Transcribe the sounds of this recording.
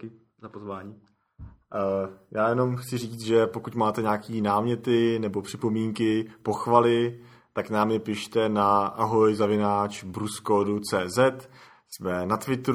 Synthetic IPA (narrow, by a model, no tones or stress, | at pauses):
kɪ | zapozvaːɲiː | jaːjɛno̞mxt͡sɪriːt͡st̪ʒɛpo̞kucmaːt̪ɛɲaːkiːnaːmɲɛt̪ɪnɛbo̞pr̥ɪpo̞miːŋkɪpo̞xvalɪ | t̪aknaːmɲɛpɪʃt̪ɛnaʔaɦo̞jzavɪnaːt͡ʃbɾuskoːdut͡sɛːzɛt̪ | smɛnat̪vɪt̪ɾ